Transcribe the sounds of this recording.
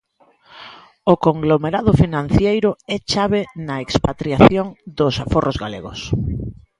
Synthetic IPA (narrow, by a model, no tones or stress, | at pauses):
okoŋɡlomeɾaðʊfinãn̟θjejɾʊɛt͡ʃaβ̞enɐekspat̪ɾjaθjoŋd̪ʊsaforʔozɣalḛɣʊ̰s